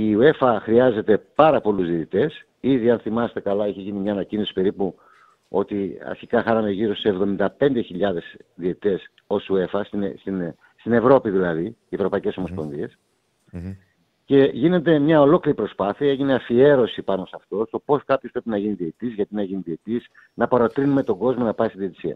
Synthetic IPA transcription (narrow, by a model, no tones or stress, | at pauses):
iue̞fɐxɾiɐze̞t̪e̞pɐɾɐpo̞luzðiet̪it̪e̞s | iðiɐnθimɐse̥t̪e̞kɐlɐeçeʝinimɲɐːnɐcino̞si̥pe̞ɾipu | o̞t̪iɐ̰ɾçikɐxɐnɐnd̪eʝiɾo̞sseevðo̞mind̪ɐpe̞nd̪e̞çiʎɐðe̞sðiet̪it̪e̞s | o̞sue̞fɐsst̪in | st̪ine̞vɾo̞piðilɐði | evɾo̞pɐice̞so̞mospo̞nðie̞s | ce̞ʝine̞nd̪e̞mɲɐo̞lo̞kliɾipɾo̞spɐθiɐeʝineɐfie̞ɾo̞sipɐno̞sɐft̪o̞st̪o̞po̞skɐpçospɾepinɐʝiniðieit̪izʝɐt̪inɐʝiniðie̞t̪is | nɐpɐɾo̞t̪ɾinume̞t̪o̞ɡo̞zmonɐpɐist̪iðiet̪i̥siɐ̰